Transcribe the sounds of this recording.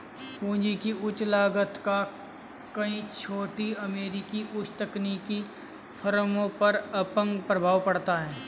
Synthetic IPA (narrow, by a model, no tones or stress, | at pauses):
pũːd͡ʒikiʊt͡ʃlaːɡət̪ka | kɐĩt͡ʃʰoːʈiɐmeːɾikiʔʊt͡ʃt̪əkniːki | fʰəɾmõpɐɾɐpə̃ŋɡpɾəbʱaːwpɐɽt̪aɦɛː